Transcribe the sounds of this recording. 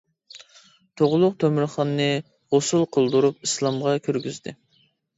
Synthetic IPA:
t̪ʰoʁlˠʊq̚t̪ʰømɪɾχɑnːɨ | ʁosulˠqʰəlˠd̪uɾup̚islˠɑmʁɑkʲʰøɾɡʲyzd̪ɪ

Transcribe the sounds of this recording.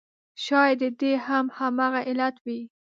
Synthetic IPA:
ʃɑjd̪əd̪ehamhamɑɣaʔɪlat̪wi

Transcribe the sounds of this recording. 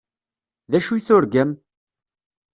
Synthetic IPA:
ðæʃuθʊɾɡəm

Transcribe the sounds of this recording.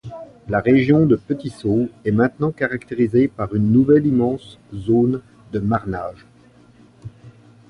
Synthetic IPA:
laʁeʒjɔ̃d̪əpət̪isoɛmɛ̃t̪nɑ̃kaʁakt̪eʁizepaʁynːuvɛlimɑ̃szon | d̪əmaʁnaːʒ

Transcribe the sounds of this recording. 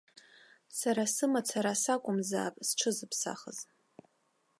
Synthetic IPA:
saɾasɨmat͡sʰaɾasakʷʼʊmza̰ːpʼsʈ͡ʂʰɨzɨpʰsa̰χə̰z

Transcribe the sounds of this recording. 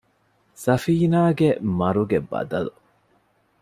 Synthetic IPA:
sɐfiːnaːɡemɐɾuɡebɐ̰d̪ɐlu

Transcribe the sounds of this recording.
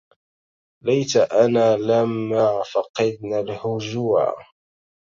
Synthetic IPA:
lajt̪aʔanaːlamːafɑqɑd̪̚nalhʊd͡ʒuːʕa̰

